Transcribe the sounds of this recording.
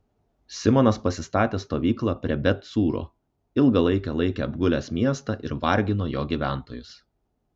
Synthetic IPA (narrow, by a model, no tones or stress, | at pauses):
sʲɪmɔːnɐspɐsʲɪst̪ɑːt̪ʲeːst̪oːʋʲiːklˠɑːpʲɾʲɛbʲɛt̪suːɾo̰ː | ɪlˠɡɐlˠɐɪkʲɛlˠɐɪkʲeːɐbɡʊlʲæːsmʲiɛst̪ɑʔɪ̰ɾʋɐɾʲɡʲɪnoːjoːɡʲiːʋʲæˑnt̪oːjʊs